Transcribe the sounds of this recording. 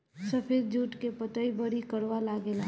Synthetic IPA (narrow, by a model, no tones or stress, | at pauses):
səpʰed̪̚d͡ʒuːʈkepət̪əibəɽikəɾʋalaɡela